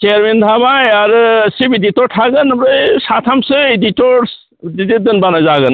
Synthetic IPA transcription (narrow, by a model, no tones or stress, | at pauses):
t͡ʃeaɾment̪ʰabajaɾɯsibiditɔɾtʰaɡɯnbɾɯjsat̪ʰamsɯiditɔɾs | did̪id̪ɯnbanazaɡɯn